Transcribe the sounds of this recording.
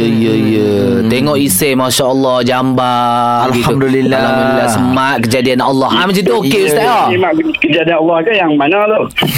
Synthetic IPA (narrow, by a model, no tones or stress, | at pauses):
əjəjə | t̪eŋɔʔisemaʃaʔəlˠːɔhd͡ʒamba | alɡikamd̪ulilːalhammd̪uilasəmaʔ̚kəd͡ʒadianɔlːɔhams̬it̪uokeust̪aɔimaʔk | kəd͡ʒadianɔlːɔhkajaŋmanat̪o